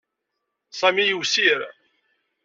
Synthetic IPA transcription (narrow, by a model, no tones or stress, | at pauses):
sˤæmijəwsiɾ